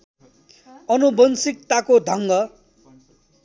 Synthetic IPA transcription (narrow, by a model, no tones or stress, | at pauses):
ʌnubʌnsik̚t̪akod̪ʱʌŋɡʌ